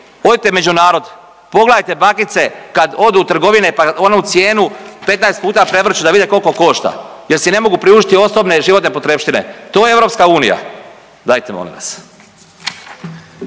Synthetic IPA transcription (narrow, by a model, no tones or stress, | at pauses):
o̞d̪it̪eme̞d͡ʑunaːɾo̞d̪ | po̞ɡlajt̪e̞bakit̪se̞kad̪o̞d̪uːt̪ɾr̩ɡo̞ʋinepao̞neut̪sjeːnupe̞t̪naest̪̚puːt̪apɾe̞ʋr̩t͡ʃud̪aʋid̪eko̞lko̞ko̞ʃt̪a̰ | jeɾsine̞mo̞ɡupɾiuːʒit̪io̞so̞bne̞ʒiʋo̞t̪nepo̞t̪ɾepʃt̪inḛt̪oːjeeʋɾo̞ːpskauːnḭja̰ | d̪aːjt̪emo̰lḭ̃ʋa̰s